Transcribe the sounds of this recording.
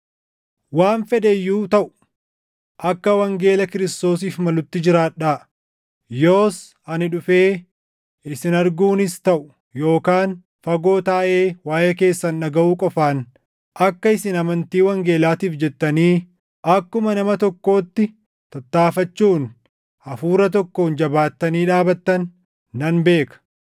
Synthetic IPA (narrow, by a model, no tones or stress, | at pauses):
waːnfɛd̪ɛjːuːt̪ɐʔʊ̥ | ʔɐkːɐwɐŋɡe̞ːlɐkɪɾɪst̪o̞ːsiːfmɐlʊt̪ːɪd͡ʒɪɾaːᶑaː | jo̞ːs | ɐnɪᶑʊfeː | ɪsɪnɐɾɡuːnɪst̪ɐʔʊ̥ | jo̞ːkaːn | fɐɡo̞ːt̪aːʔe̞ːwaːjeːke̞ːsːɐnːɐɡɐʔuːkʼɔfaːn | ʔɐkːɐɪsɪnɐmɐnt̪iːwɐŋɡe̞ːlaːt̪iːfd͡ʒɛt̪ːɐniː | ʔɐkːʊmɐnɐmɐt̪ɔkːo̞ːt̪ːɪ | t̪ɐt̪ːaːfɐt͡ʃːuːn | ɐfuːɾɐt̪ɔkːo̞ːnd͡ʒɐbaːt̪ːɐniːᶑaːbɐt̪ːɐnː | ɐnbe̞ːkɐ̥